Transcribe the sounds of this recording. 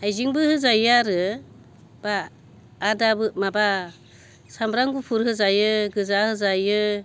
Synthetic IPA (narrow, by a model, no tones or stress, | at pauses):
ajziŋbɯhɯzajaɾɯ | b̥aː | dabɯmaba | sambɾaŋɡupʰuɾhɯzajɯɡɯzahɯzajɯ